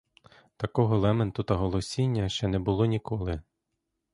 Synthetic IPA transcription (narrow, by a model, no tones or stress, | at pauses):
t̪ɐkɔɦɔlˠɛmɛnt̪ʊt̪ɐɦɔlˠɔsʲinʲːɐʃt͡ʃɛnɛbʊlˠɔnʲikɔlˠɪ